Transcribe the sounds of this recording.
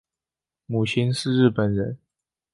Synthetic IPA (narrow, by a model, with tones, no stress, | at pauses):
mu˨˩t͡ɕʰi˦˥nʂɻ̩˥˧ɻ̩˥˩pə˨˩nɻə˧˦n